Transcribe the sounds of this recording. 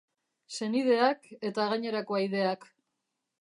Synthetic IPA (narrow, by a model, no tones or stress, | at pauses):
se̞nið̞e̞ake̞t̪aɣaɲe̞ɾako̞ajðe̞ak